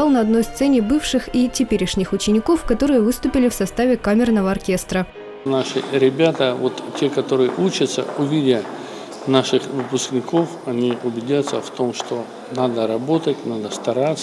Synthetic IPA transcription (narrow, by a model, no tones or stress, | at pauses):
ɑlˠnəɐd̪no̞jst̪sɛnʲɪbɨfʂɨxitʲɪpʲeɾʲɪʂnʲɪxʊt͡ɕɪnʲɪko̞fkɐt̪o̞ɾɨjəvɨst̪ʊpʲɪlʲɪfsɐst̪avʲɪkamʲɪrnəvəɐrkʲe̞st̪ɾə | naʂɨɾʲɪbʲat̪əvot̪tʲːekɐt̪o̞ɾɨjəʔut͡ɕət̪sə̰ʊvʲidʲə | naʂɨxvɨpʊsknʲɪko̞fɐnʲiʊbʲɪdʲat̪sə̰ft̪o̞mʂt̪o | nad̪əɾɐbo̞t̪ətʲnad̪əst̪ɐɾat̪s